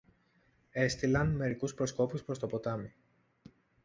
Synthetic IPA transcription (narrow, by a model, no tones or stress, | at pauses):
e̞st̪ilɐnme̞ɾikuspɾo̞sko̞puspɾo̞st̪o̞po̞t̪ɐmi